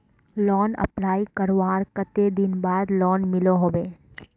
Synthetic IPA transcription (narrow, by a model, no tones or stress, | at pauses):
lɔːnə̰pnaːikəɾʋaːɾkət̪ed̪ɪnbaːd̪lɔːnmɪloɦoːʋeː